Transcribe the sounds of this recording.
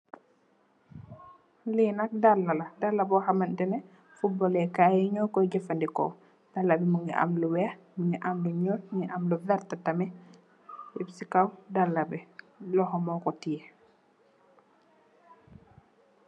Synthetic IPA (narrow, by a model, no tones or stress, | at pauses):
linɐk̚dalːɐlɐdalːabɔxamɐndɛnɛ | fubɔlɛkajɛɲɔkɔɟɛfɐndikɔ̰ | d̥alːɐbɛmuŋɡiʔa̰mluwɛx | muŋɡiʔamluɲɔt̚ŋiʔamluvɛɾtatamɛ | jɛbsikawdalːɐbɛ | lɔxɔmɔkɔtiɛ